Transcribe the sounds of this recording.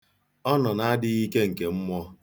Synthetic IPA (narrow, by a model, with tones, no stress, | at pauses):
ɔ˦nɔ˨na˦dɪ˦ɣi˦ke˦ŋ̩˨ke˨m̩˦mʷɔ˦